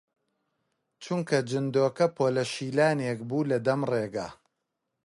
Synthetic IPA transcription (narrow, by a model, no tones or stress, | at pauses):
t͡ʃʰuŋkʰɐd͡ʒɨnd̪oːkɐpʰoːlɐʃiːlaːnekbuːlɐd̪ɐmreːɡa̰ː